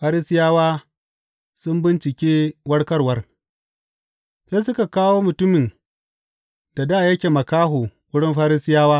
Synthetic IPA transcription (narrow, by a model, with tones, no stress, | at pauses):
ɸaː˦ɾi˦sɪ˦jaː˦waː˦ | sʊ˦mbɪ˦nt͡ʃɪ˨kʲeː˦wɐ˦ɽkɐ˦rwɐ˦r | seː˦sʊ˦ka˨kaː˦woː˦mʊ˨tʊ˦mɪ˨n | d̥a˨da˦˨jɐ˦kʲeː˨mɐ˨kaː˦ɦoː˨wʊ˦ɽɪ˦mɸaː˦ɾɪ˦sɪ˦jaː˦waː˦